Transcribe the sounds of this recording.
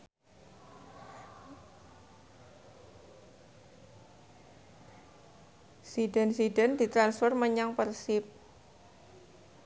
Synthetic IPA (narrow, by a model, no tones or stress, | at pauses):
sidɛnsidɛnd̪it̪ɾansfɔrməɲaŋpərsɪp̚